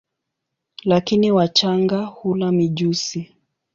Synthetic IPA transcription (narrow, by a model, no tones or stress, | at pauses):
lakiniwat͡ʃaŋɡahulamiʄusi